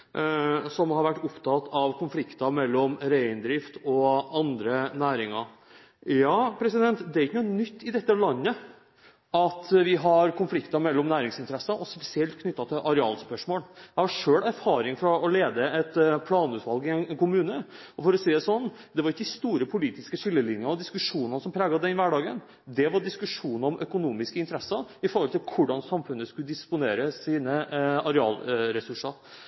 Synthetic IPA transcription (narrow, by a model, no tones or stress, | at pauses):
sɔmhɑɾʋæʈːʊpt̪ʰɑt̪ʰɑʋkʰʊnflɪkt̪ɑmɛlːɔmɾæɪɪnd̪ɾɪft̪ɔɑnd̪ɾənæːɾɪŋɑɾ | jɑːpʰɾɛsɪd̪ɛnt̪d̪ɛæɪkənunʏt̪ːɪd̪ɛt̪ːəlɑnːə | ɑt̪ʋɪɦɑɾkʰʊnflɪkt̪ɑmɛlːɔmnæːɾɪŋsɪnt̪əɾɛsɑʔɔspɛsɪɛlt̪kʰnʏt̪ːɑt̪ʰɪlʔɑɾɛɑ̰ːlspœʂmoːljæɪhɑʂøːlæɾfɑːɾɪŋfɔɾɑɔleːd̪əɛt̪pʰlɑːnʉːt̪ʋɑlɡɪɛnkʰʊmʉːnəɔfɔɾɔsiːd̪sɔnːd̪ɛʋɑɾɪkːəd̪ɪst̪uːɾəpʰʊliːt̪ɪskəʂɪlːəlɪnjənɔd̪ɪskʉʂuːnɑnəsɔmpʰɾeːɡɑɛɪnʋæɖɑːɡən | d̪ɛʋɑɾɖɪskʉʂuːnəɾɔmʔœkʊnuːmɪskəɪnt̪əɾɛsːɑɾɪfɔɾhɔlt̪ɪlkʰʊɖɑnsɑmfʉnːəskʉləd̪ɪspʊneːɾəsiːnəɑɾɛɑ̰ːlɾɛsʉʂɑɾ